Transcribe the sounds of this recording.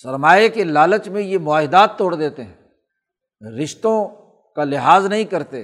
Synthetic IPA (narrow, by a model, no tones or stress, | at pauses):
sɐɾmaːekelaːlət͡ʃmẽjemʊaːɦɪd̪aːt̪ːoːɽd̪eːt̪eɦɛ̃ | ɾɪʃt̪õ | kalɪɦaːznɐɦĩkɐɾt̪e